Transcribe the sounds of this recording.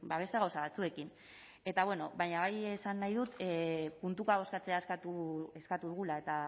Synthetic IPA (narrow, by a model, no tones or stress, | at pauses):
baβ̞e̞st̪e̞ɣ̞awsaβat͡sue̞kin | e̞t̪aβwe̞no̞βajɲaβajesanːajðut̪punt̪ukaβo̞skat͡se̞aeskat̪ueskat̪uðuɣulae̞t̪a